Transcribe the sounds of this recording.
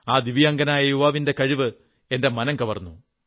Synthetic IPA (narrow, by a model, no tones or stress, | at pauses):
aːd̪iʋijɐːŋɡɐnaːjɐjuʋaːʋinde̞kɐɻiʋɨ | e̞nde̞mɐnɐŋkɐʋɐrnːu